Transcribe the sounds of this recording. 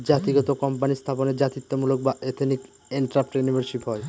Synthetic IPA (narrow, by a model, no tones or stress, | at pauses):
d͡ʑat̪iɡɔt̪okɔmpanist̪ʰaponeɾd͡ʑat̪it̪ːomulok̚baet̪ʰnik | eɳʈɾapʈjunibʱaɾʃipɦɔe